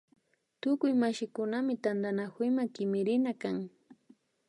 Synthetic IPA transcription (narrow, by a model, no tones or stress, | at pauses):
t̪ʊkʊjmaʃɪkʊnamɪt̪and̪anakʊjmakɪmɪɾɪnakaŋ